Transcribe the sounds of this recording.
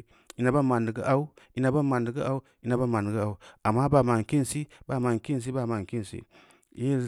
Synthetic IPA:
i˨na˨ba˦ma˨ndə˨ɡi˦ʔa˦u˦i˦na˨ba˦ma˨ndi˨ɡə˦a˦u˦ | i˦na˨ba˦˨ma˨ndɡə˦a˨u˦a˨mːa˦ba˨ma˨ŋ˨ki˦nsi˦ba˨ma˨ŋ˨ki˦n˨s̬i˦ba˦˨ma˨ŋ˨ki˦n˨sḭ˦˨˦ | i˦

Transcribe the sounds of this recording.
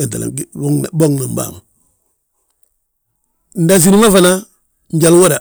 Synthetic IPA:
ɛ˨nta̰˨la̰˨˦ŋ˨bo˦ŋna˨m˦ba̰˨ŋ˨ | n̩˦da˨s̬i˦ɾi˦ma˦fa˨na˦ | ɲ˦ɟa˨lwa˦ɾa˨

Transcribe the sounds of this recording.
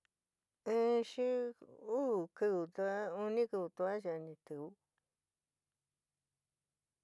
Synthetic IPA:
ɨ̃˦ʃi˦u˦˨kɨ˧u˨t̪u˧a˦u˧nĩ˦kɨ˧βu˧t̪u˧a˦ʒa˧nĩ˧t̪ɨ˨u˦

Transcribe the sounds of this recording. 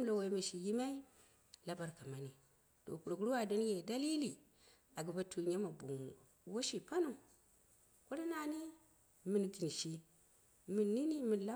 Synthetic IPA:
m˦lo˨wa˨i˦ma˨ʃi˨ji˦ma˦i˦ | la˦ba˨ɾka˨ma˨ni˨ | to̰˨ku˨ɾo˨kɾu˦wa˨da˦n˦je˨da˦li˦li˨ | a˨ɡi˨ba˨tʰu˨ɲe˦ma˨bu˨ŋ | wo˦ʃi˨pa˦nu˨m | ku˦ɾa˦na˨ni˦ | mi˨nɡi˨nʃi˨ | mi˨nːi˦ni˦mi˨nla˦

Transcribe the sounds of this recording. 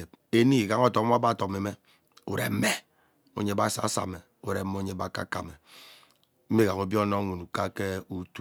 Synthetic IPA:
e˨b | e˦ni˦˨ɡa˦ŋ˦ɔ˦to˨˦a˦ba˦˨to˨me˨me˦ | ṵ˨ɾḛ˨m̩˦me˦ | o̰˨ɲe˦ba˦sa̰˨˦sa̰˨me˨ | u˨ɾe˨˦o˦ɲe˦ba˦ka̰˦ka̰˨me˨ | m̩˦e˦ɡa˨ŋo˦bi˦o˦no˦ŋu˨nu˨ka˦ke˦u˦tu˦

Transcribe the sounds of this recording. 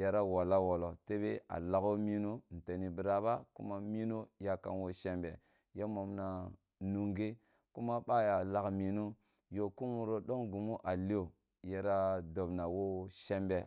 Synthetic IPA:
ja˨ɾa˦wa˨la˦wo˨lo˨te˦be˦a̰˨la˨ko˦mi˦no˦˨n̩˨te˨ni˨bi˨ɾa˦ba˦kṵ˦ma˦mi˦no˦ja˦ka̰˨nwo˦ʃe˦mbḛ˨ | je˦mo˨mna˨ | nu˨ŋɡe˦ | ku˦ma˦ɓa˦ja˨la˦kmi˨no˦ | jo˨ku˦nwu˨ɾo˦ɗo˦ŋɡu˨mu˦ʔa˨li˦o˨ | ja˨ɾa˦do˨bna˨wo˦ʃe˦mbe˨

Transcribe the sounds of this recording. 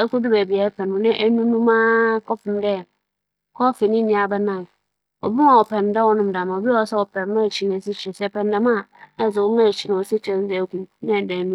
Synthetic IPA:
ɛ˦ku˦dʊ˦bæ˨bi˨a˨˦pʰɛ˨n˨ʊ̃˨nɪ̃˦ʔæ˦nũ˦nũ˦mã˦kɔ˦fʊ̃˨m˦dɛ˦˨ | kʰɔ˦fɪ˨nɪ̃˦nĩ˦a˨bɛ˦nã˦˨ | ɔ̰˨bi˦na˨ɔ˨pɛ̃˨n˨da˦wɔ˦nʊ̃˦m˨da˨mã˨o˨bi˦ɔ˨˦sɛ˦wɔ˨pʰɛ̃˨n˦mã˦˨t͡ɕʰi˨n˨si˦t͡ɕʰᶣɛ̃˨sɛ˦˨pɛ̃˨n˦da˦mã˦˨ɛ˦˨zɪ˨wʊ˦mã˦˨t͡ɕʰi˨nã˨ɔ˨si˦t͡ɕʰᶣɛ˨n˦zɛ˨˦ku˦nɪ̃˦˨dɛ˨nũ˦

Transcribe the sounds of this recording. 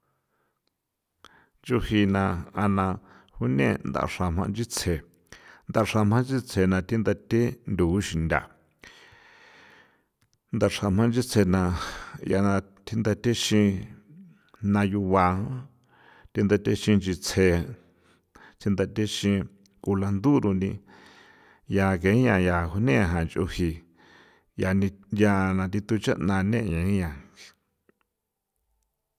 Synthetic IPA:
d͡ʒu˦hi˧nã˧a˧nã˧ | hu˦nḛ̃˦˧˨nd̪a̰˧˨ʂã˧m̥ã˧nd͡ʒi˦t͡sʰe˧ | nd̪a˧ʂa˧m̥ã˦nd͡ʒi˦t͡sʰe˧nã˧t̪i˦nd̪a˧t̪ʲe˦nd̪u˨˦ʃi˨nd̪ʲa̰˨ | nd̪a˧ʂa˧m̥ã˧nd͡ʒi˦t͡sʰe˧nã˧ja˧nã˧ | t̪ʰi˦nd̪a˧t̪e˦ʃĩ˧ | nã˧ju˧wa˧õ˦ | t̪i˧nd̪a˧t̪e˧ʃĩ˧nd͡ʒi˧t͡sʰe˧˨ | t̪ʰi˧nd̪a˧t̪e˦ʃĩ˧ | ku˧la˧nd̪u˦ɾu˧nĩ˧ | ja˧kẽ˨˦ɲã˧˨ja˧˨hu˧nẽ˦˨ɦã˨nt͡ʃʔo̰˧hi˧˨ | ja˧nĩ˧ja˧nã˧t̪i˧t̪u˧t͡ʃa̰˦ʔnã˧nẽ˦˨ɲã˨ĩ˦jã˨˧

